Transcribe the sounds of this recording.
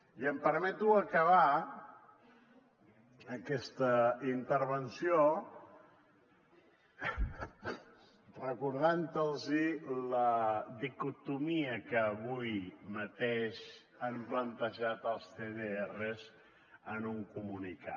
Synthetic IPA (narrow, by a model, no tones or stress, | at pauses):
iəmpəɾmɛt̪uəkəβa | kɛst̪əint̪əɾβənsjo | rəkuɾðant̪əlˠziləðikut̪umiəkəːβujmət̪eʃ | amblənt̪əʒat̪əlˠst̪eðeerəz | ənuŋkumunika̰